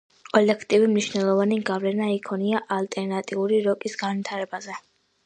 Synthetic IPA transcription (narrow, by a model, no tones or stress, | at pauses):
kʼɔlɛkʰt̪ʼivimniʃnɛlˠɔvaniɡavlɛnaikʰɔniaʔalt̪ʼɛɾnat̪ʼiuɾiɾɔkʼisɡanvit̪ʰaɾɛbazɛ